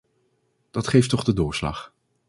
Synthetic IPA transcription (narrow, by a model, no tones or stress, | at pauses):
d̥ɑtχejftɔχdədʊːɹslɑ̰χ